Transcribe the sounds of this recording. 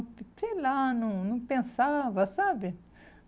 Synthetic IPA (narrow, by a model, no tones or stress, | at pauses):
pt̪ilanũnũpẽnsavasabi